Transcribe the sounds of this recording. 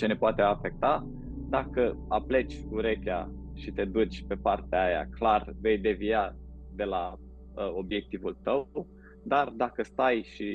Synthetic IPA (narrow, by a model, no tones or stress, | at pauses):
t͡ʃe̞ne̞poat̪e̞afe̞k̚t̪a | d̪akəaple̞t͡ʃʲuɾe̞kʲaʃit̪e̞d̪ut͡ʃʲpe̞part̪eaaja̰klarve̞jd̪e̞vijad̪e̞la | əo̞bje̞k̚t̪ivult̪əw | d̪ard̪akəst̪ajʃi